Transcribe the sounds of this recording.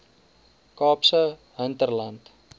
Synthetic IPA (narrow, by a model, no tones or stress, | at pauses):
kɑːpsəɦəntərlɐnt